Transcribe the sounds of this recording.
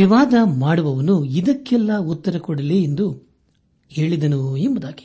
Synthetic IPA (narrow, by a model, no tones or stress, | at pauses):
ʋiʋaːd̪ɐmaːɽuʋɐʋɐnuid̪ɐkːɛlːɐut̪ːɐɾɐkɔɽɐleind̪u | he̞ːɭid̪ɐnuembɐd̪aːɡi̥